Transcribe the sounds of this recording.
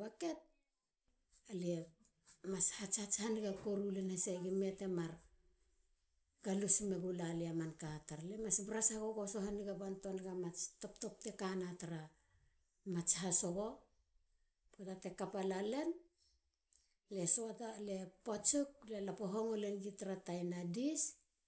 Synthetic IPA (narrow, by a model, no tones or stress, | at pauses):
βake̞t̚ | alie | mashat͡ʃhat͡ʃhaniɡakoɾulenhaseɡimete̞maɾ | ɡ̥alusme̞ɡulaleamankataɾlemasbɾasaɡoɡoso̞ɦaniɡabanto̞nɡamat͡ʃto̞pto̞p̚te̞kanataɾa | mat͡ʃɦaso̞ɡo̞ | potate̞kapalale̞n | le̞soatale̞pot͡ʃuk̚le̞lapoɦoŋole̞nɡitaɾatajnadis